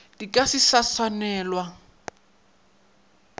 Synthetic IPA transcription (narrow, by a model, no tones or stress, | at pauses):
d̥ikʼasisasanɛːlwa